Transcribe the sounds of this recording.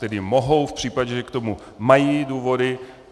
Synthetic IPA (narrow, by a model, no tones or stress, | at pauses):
t̪ɛdɪmoɦowfpr̝̥iːpaɟɛʒɛkt̪omu | majiːduːvo̞dɪ